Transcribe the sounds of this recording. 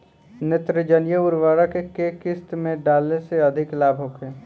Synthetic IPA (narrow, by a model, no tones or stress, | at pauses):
nɪt̪ɾɪd͡ʒənjəʊɾʋaːɾakekekɪst̪mẽɖaːlneseɐd̪ʱɪklaːbʱɦokeː